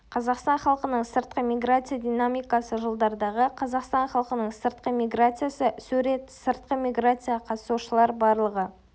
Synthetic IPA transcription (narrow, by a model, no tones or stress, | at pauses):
qʰɑzɑqst̪ɑnχɑlˠqənəɴsəɾt̪̚qəmʲiɡɾat̪sɨjad̪ʲijnamʲijkɑsəʒəlˠd̪ɑɾd̪ɑʁəqʰɑzɑqst̪ɑnχɑlˠqənəɴsəɾt̪̚qəmʲiɡɾat̪sɨjasəsʉɾe̞t̪səɾt̪̚qəmʲijɡɾat̪sɨjaqʰɑt̪ə̥suʃəlˠɑɾbɑɾlˠəʁə